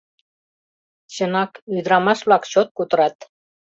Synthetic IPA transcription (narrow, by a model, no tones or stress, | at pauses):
t͡ɕɤ̆nɑkyd̪ɾɑmɑʃblˠɑkɕot̪̚kut̪ɤ̆ɾɑt̪